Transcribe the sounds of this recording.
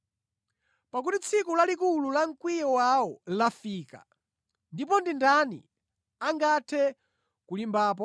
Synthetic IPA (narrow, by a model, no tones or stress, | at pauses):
pak̬utit͡sʰikulalikululaŋ̩kwijɔwawɔlafiːka̰ | ndip̬ɔndindanḭ | aŋɡatʰɛ | kulimbaːp̬ɔ